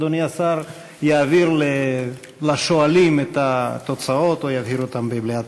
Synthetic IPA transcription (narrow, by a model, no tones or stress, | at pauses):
d̪oniasaɾ | jaːviɾle | laʃo̞alimet̪at̪o̞t͡sao̞t̪ojavhiɾot̪ambebliat